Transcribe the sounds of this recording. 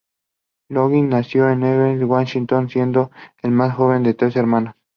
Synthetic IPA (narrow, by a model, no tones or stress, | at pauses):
loɣinːasjoeneβenzwaʃint̪onsje̞nd̪oelmasxo̞β̞e̞nd̪e̞t̪ɾeseɾmãnos